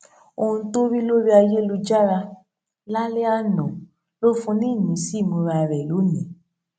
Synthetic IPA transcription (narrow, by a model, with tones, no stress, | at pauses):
o˦hũ˧to˦ɾi˦lo˦ɾi˦a˧je˦lu˧d͡ʒa˦ɾa˧ | la˦le˦a˦nɔ̃˨ | lo˦fũ˧nĩ˦˨ɲĩ˨˦si˦˨mũ˧ɾa˨˧ɾɛ˨lo˨˦nĩ˨˦